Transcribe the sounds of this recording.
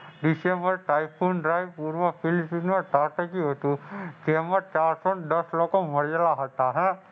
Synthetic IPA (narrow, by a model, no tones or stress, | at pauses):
ɖisembəɾʈaːjpʰunɖɾajpuːɾʋəpʰilsinmɐʈaʈəkiɦot̪ukemət͡ʃaːɾsɔnd̪əslɔkomɐɽəlaɦət̪aɦɛ̃